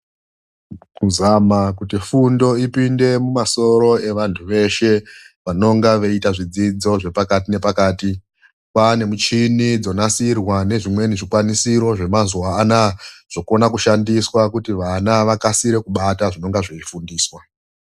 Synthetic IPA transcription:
kuzamakutifundo̞ipinde̞mumaso̞ɾo̞e̞ʋantʰuʋe̞ʃe̞ | ʋano̞ŋɡaʋeitaʐid͡zid͡zo̞ʐe̞pakatine̞pakaːti | pane̞mut͡ʃinid͡zo̞nasirwane̞ʐimwe̞niʐikwanisiɾo̞ʐe̞mazuaːnaʐ̥o̞ko̞nakuʃandiswakutiʋanaʋakasiɾe̞kuɓataʐino̞ŋɡaʐeifundiːswa

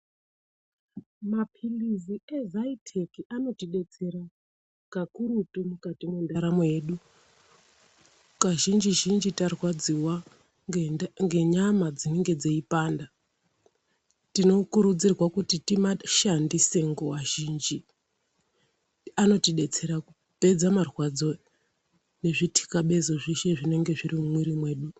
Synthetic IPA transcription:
mapʰiliziezaitʰekiano̞tiɗe̞t͡se̞ɾa | kakuɾutumukatimwendaɾamje̞ːɗu | kaʒind͡ʒiʒind͡ʒitarwad͡ziwa | ŋɡe̞ɲamad͡zine̞ŋɡe̞d͡zeipaːnda | tino̞kuɾud͡zirwakutitimaʃandise̞ŋɡowaʒiːnd͡ʒi | ano̞tiɗe̞t͡se̞ɾaku | pe̞d͡zamarwad͡zo̞ | ne̞ʐitʰi̥kaɓe̞zo̞ʐiʃe̞ʐine̞ŋɡe̞ʐirimumwiɾimwe̞ːɗu

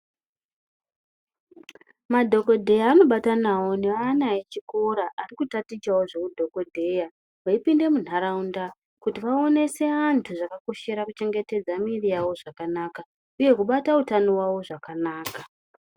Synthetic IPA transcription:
madʱo̞ko̞dʱe̞jaːno̞ɓatanawo̞neanaet͡ʃiko̞ɾaʔːrikutatit͡ʃawo̞ʐe̞kudʱo̞ko̞dʱe̞ja | ʋaipinde̞mun̤aɾaunda | kutiʋao̞ne̞se̞antʰuʐakako̞ʃe̞ɾakut͡ʃe̞ŋɡe̞te̞d͡zamirijawo̞ʐakanaka | uje̞kuɓatautanowao̞ʐakanaːka

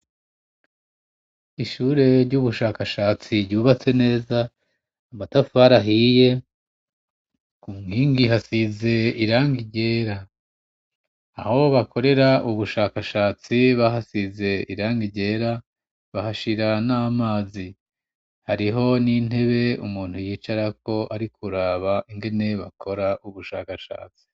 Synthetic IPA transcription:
iʃuːɾe̞ɾɟuβuʃaːkaʃaːt͡siɾɟuːβat͡se̞ne̞ːzaː | matafaɾaɦije̞ | kumŋiːŋɡiɦasize̞iɾaːŋɡiɟe̞ːɾa | ho̞βako̞ɾe̞ɾaʔuβuʃaːkaʃaːt͡siβaɦasize̞ḭɾaːŋɡiɟe̞ːɾa | βahaʃiɾanaːmaːzi | haɾiɦo̞nin̥he̞βe̞ṵmuːn̥hujiːt͡ʃaɾako̞ʔaɾikʰuɾaβaʔiŋɡe̞ne̞βa̰kʰo̞ɾaʔuβuʃaːkaʃa̰ːt͡si̥

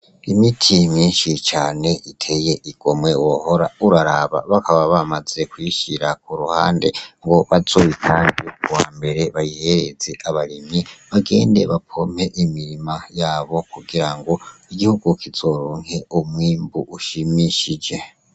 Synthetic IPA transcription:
imitʰimiːnʃit͡ʃaːne̞ʔitʰe̞je̞ʔiɡ̥o̞mwe̞woho̞ɾa̰uɾaɾaβa̰βakʰaβaβamaz̥e̞kwiːʃiɾak̚uɾuha̰ːnde̞̰ŋɡo̞βazoβitʰaːnɡikuwaːmbe̞ɾe̞βajihe̞ɾe̞z̥e̞ʔaβaɾimiβaɡe̞ːnde̞̰βapʰo̞m̥e̞ʔimiɾimajaːβo̞kuɡiɾaŋɡo̞iɡihuɡukʰiz̥o̞ɾuːŋ̥he̞omwiːmbuʔuʃimiʃid͡ʒe̞

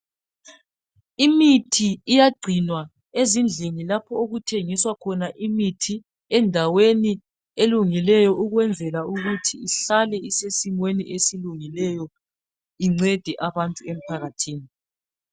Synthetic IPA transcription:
imitʰiːjaɡ͡ǀʱinwa | ezind͡ɮʱiŋilapʰɔoɣutʰeŋiswakʰɔnaʔimitʰi | ɛndʱaweni | eluŋilɛjɔʔuɣwɛnd͡zʱɛlauɣutʰiiɬalɛisesimwenḭʔesiluŋilɛjɔ | iŋ͡ǀɛd̥ʱɛʔaβantʼuem̩pʰaɣatʰiːni

